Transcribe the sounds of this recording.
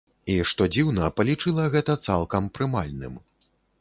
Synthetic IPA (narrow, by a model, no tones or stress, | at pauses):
iʂt̪ɔd͡zʲiwnɐpɐlʲit͡ʂɨlˠɐɣɛt̪ɐt̪salˠkɐmpɾɨmalʲnɨ̰m